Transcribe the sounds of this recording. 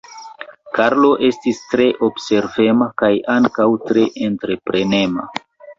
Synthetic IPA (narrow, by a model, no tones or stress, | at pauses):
kaɾlo̞ʔe̞stistɾe̞ʔo̞bse̞ɾve̞makajaŋkawtɾe̞ʔentɾe̞pɾe̞ne̞ma̰